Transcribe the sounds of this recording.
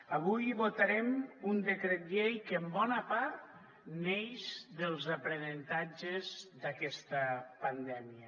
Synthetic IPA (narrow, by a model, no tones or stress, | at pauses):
aβujβot̪aɾɛmund̪əkɾɛt̪̚ʎejkəmbɔnəpaɾt̪ | neʃðəlˠzapɾənənt̪ad͡ʒəzðakɛst̪əpand̪ɛmiə